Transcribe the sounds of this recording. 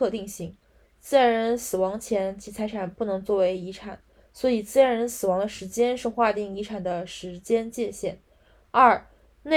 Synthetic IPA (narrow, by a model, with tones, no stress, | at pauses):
ɤ˥˧t̪i˥˧ŋɕi˧˩ŋ | t͡sɹ̩˥˧a˥˧˥ɻə˧˥nsɹ̩˨˩wɑ˧˥ŋt͡ɕʰjɛ˧˥nt͡ɕʰi˧˥t͡sʰa˧˥ɪʈ͡ʂʰa˨˩npu˥˩nɤ˧˥ŋt͡swɔ˥˩we˧˥ɪi˧˥ʈ͡ʂʰa˨˩˦n | swɔ˧˥i˨˩t͡sɹ̩˥a˥˧˥ɻə˧˥nsɹ̩˨˩wɑ˧˥ŋd̪ə˧ʂɻ̩˧˥t͡ɕjɛ˥nʂɻ̩˥˧xwa˥˧t̪i˥˩ŋi˧˥ʈ͡ʂʰa˨˩nd̪ə˦ʂɻ̩˧˥t͡ɕjɛ˥nt͡ɕjɛ˥˧ɕjɛ̰˥˩n | ɐ˞˥˩ | ne˥˩